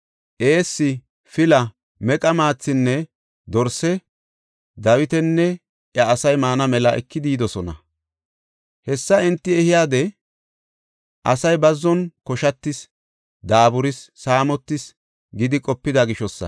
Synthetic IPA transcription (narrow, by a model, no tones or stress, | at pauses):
ʔe̞ːsːɪ | fɪlɐ | mɛkʼɐmaːt͡sːɪnːɛ | d̪ɔɾsɛ | d̪ɐwɪt̪ɛnːɛ | ʔjɐːsɐjmaːnɐmɛlɐʔɛ̰kːɪd̪iːd̪ɔsɔnɐ̰ | hɛsːɐɛnt̪ːɪɛhɪjaːd̪ɛ | ʔɐsɐjbɐzːɔnkɔʃɐt̪ːɪs | d̪aːbʊɾɪsːaːmɔt̪ːɪs | ɡɪd̪ɪkʼɔpːɪd̪ɐɡɪʃɔsːɐ̰